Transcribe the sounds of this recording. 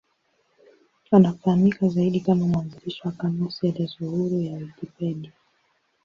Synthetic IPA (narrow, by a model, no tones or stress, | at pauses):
anafahamikazaiɗikamamuanziliʃwakanɔsiɛlɛzuhuɾujaikipɛɗi